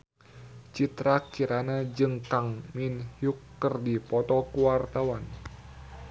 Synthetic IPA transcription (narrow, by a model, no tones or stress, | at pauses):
t͡ʃit̪ɾakiɾanad͡ʒɨŋkaŋminhjukːərdipɔt̪ɔkuwart̪awan